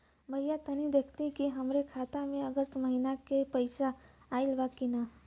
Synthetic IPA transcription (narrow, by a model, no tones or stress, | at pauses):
bʱəijat̪ənid̪ekʰt̪ĩkiɦəmɾekʰat̪amẽəɡəst̪məɦinakepəɪsaː | ɪlbakina